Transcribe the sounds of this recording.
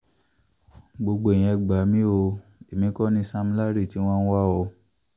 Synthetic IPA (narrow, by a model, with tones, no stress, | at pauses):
ɡ͡bo˧ɡ͡bo˨e˨j̃ɛ̃˧ɡ͡ba˨˦mĩ˦o˧e˨mĩ˨˦kɔ˦nĩ˧˦sa˧mĩ˦la˦ɾi˦˨ti˨˦w̃ɔ̃˦n̩˦wa˦ɔ˧